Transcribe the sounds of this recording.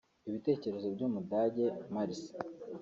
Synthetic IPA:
iβite̞ːce̞ɾe̞zo̞bɟuːmudaːɟe̞maɾisi̥

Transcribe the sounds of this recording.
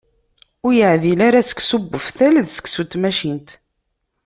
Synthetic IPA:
ʊɾjəʕðilaɾæsə̥kːsubːəfθælðsə̥kːsut̪ːmæʃint̪

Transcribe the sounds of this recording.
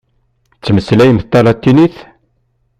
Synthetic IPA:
t͡sːməslæjəmθt̪ːɑlɑt̪ːiniθ

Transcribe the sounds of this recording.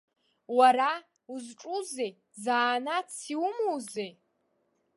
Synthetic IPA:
waɾa | uzʈ͡ʂʼuzej | zaːnat͡sʰiwmowzej

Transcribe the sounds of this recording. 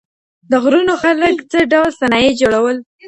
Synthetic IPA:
d̪əɣɾunoxaləkt͡səɖawlsanɑjed͡ʒoɽawəl

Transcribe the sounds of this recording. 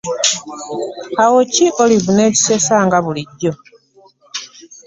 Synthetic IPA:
awociʔoliβuneci̥sesaːŋɡaβuliɟːo

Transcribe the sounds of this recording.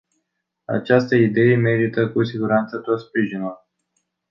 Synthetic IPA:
a̰t͡ʃast̪əid̪e̞jeme̞ɾit̪əkusiɡuɾant̪sət̪o̞t̪spɾiʒinul

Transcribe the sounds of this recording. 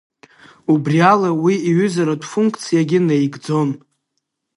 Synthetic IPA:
ubrialawiiɥʏzaɾadʼfuŋkʰʼt͡sʰijaɡʲɪnejɡd͡zo̞n

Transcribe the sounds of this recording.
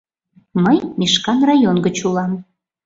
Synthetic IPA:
məjmiʃkɑnrɑjonɡət͡ɕulɑm

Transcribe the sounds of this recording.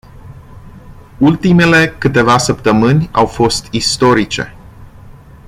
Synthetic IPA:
ult̪ime̞le̞kɨt̪e̞vasəpt̪əmɨnʲawfo̞st̪ist̪o̞ɾit͡ʃe̞̰

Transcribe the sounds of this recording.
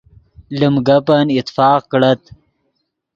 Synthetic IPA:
ləmɡapanɪt̪fɑːqkɽat̪

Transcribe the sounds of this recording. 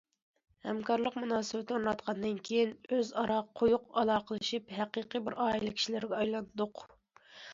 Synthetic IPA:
hɛmkɑɾlˠəqmunɑːsɨbɪt̪ʰɪuɾnɑt̪qʰɑnd̪ɨnkʲʰejinøzɑɾɑqʰːojʊqɑlˠɑːqʰəlˠɨʃipɦæqiqibɪɾʔɑːilˠɪkʲi̥ʃilɪɾɡʲɛɑjlˠɑnd̪ʊq

